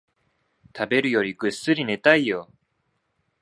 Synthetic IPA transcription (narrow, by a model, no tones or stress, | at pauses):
t̪ʰabe̞ɾɯ̟jo̞ɾʲiɡɯ̟sːɨɾʲine̞t̪aijo